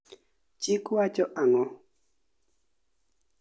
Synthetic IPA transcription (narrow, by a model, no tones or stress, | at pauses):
t͡ʃikwat͡ʃɔʔaŋɔ